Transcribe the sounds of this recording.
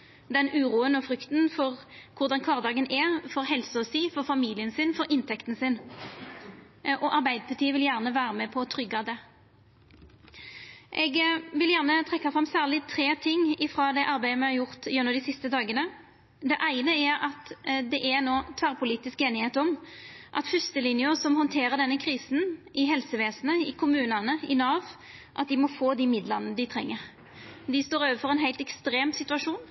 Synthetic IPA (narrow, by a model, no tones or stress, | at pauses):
d̪ɛnʉːɾuːənɔfɾʏkt̪n̩fɔʁkʰʊʁd̪ɑnkʰʋɑːʁd̪ɑːɡənʔɛfɔɾɦɛlsəɔsiːfɔʁfɑmiːlɪənsɪnfɔɾʔɪnt̪ʰɛkt̪n̩sɪn | ʔɔʔɑɾbæɪd̪əpʰɑt̪ʰiːəʋɪljæːʁnəʋæːɾəmɛpʰɔt̪ʰɾʏɡːɑd̪ɛ | ʔɛɡʋɪljæʁnət̪ʰʁɛkːɑfʁɑmːsæːʁlɪt̪ʰɾeːt̪ʰɪŋːɪfɾɑːd̪ɛʔɑɾbæɪəmɛhɑʁjʊʁt̪jɛnːɔd̪ɪsɪst̪əd̪ɑːɡənə | d̪ɛʔæɪnəæɾɑt̪d̪ɛʔɛnoːt̪ʰʋæːʁpʰʊliːt̪ɪskeːnɪheːt̪ɔmʔɑt̪fʉst̪əlɪnjʊsɔmhɔnt̪ʰeːɾəʁdɛnːəkʰʁiːsn̩ʔɪɦɛlsəʋeːsn̩əɪkʰʊmʉːnɑnəɪnɑːʋ | ʔɑt̪̚d̪ɪmɔfoːd̪ɪmɪd̪lɑnəd̪ɪt̪ʰʁɛ̰ŋːəʁ | d̪ɪst̪oːɾøːʋəfɔʁɛnɦæɪlt̪ɛkst̪ɾeːmsɪt̪ʉɑʂuːn